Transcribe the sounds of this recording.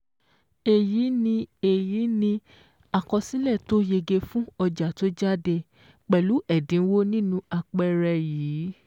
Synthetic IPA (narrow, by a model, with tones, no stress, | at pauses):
e˨ji˨˦nĩ˧e˦˨ji˨˦nĩ˧ | a˨kɔ˧si˦lɛ˦˨to˨˦je˧ɡe˧fũ˦ɔ˧d͡ʒa˨to˦d͡ʒa˦de˧ | k͡pɛ˨lu˨˦ɛ˦˨dĩ˨˦wo˦nĩ˦nũ˧a˧k͡pɛ˧ɾɛ˧jiː˨˦